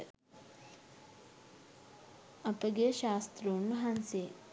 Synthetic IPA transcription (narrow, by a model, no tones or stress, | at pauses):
ɐpɐɡeʃaːst̪ɾoːnːuɦɐnsi